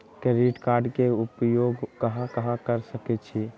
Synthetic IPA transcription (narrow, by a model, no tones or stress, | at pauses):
kəɾiʈkaɾɖkeupjoɡkəɦãkəɦãkəɾsəkɛt͡ʃʰi